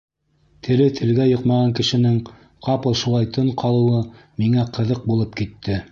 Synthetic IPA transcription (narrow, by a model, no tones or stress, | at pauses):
t̪ʰɘ̆lɘt̪ʰɘ̆lɡæjoqmɑʁɑŋkɘ̆ʃɘ̆nɘŋ | qʰɑpɤlˠʃulˠɑjt̪ɤɴqʰɑlˠɤ̆wɤmiŋæqɤ̆ðɤq̚bulˠɤpkit̪ːɘ